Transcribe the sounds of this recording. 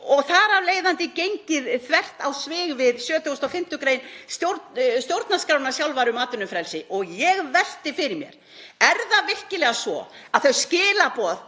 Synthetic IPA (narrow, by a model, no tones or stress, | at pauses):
ɔɣθaɾavleːjðant̪ɪcejɲcɪðθvɛr̥t̪awsvɪːɣvɪðsjœːt̪ʰʏst̪ɔfɪm̥t̪ʏkɾeːjnst̪jowɾtst̪jowɾt̪naskɾaːwnasjawlvaɾʏmaːt̪ʏnʏmfɾɛlsɪʔɔɣjɛɣvɛl̥t̪ɪfɪɾɪmjɛ̰ɾ̥ | ɛɾðavɪr̥cɪlɛɣasvɔ̰aðθœɥscɪːlapɔð